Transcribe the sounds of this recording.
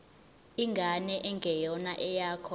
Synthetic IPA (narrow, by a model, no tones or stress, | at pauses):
iŋɡʱanɛʔɛŋɡʱɛjɔnaʔɛjaːkʰɔ